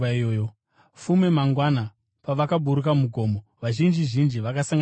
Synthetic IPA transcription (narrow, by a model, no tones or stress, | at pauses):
o | fume̞maŋɡwana | paʋakabʱuɾukamuɡʱo̞ːmoʋaʒind͡ʒiʒind͡ʒiʋakasaŋɡ